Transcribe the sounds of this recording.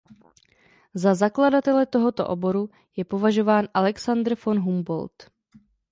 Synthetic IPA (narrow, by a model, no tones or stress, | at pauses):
zazakladat̪ɛlɛt̪o̞ɦo̞t̪o̞̰ʔobo̞ɾu | jɛpo̞vaʒo̞vaːnʔalɛksand̪ɾ̩fo̞nɦumbo̞̰lt̪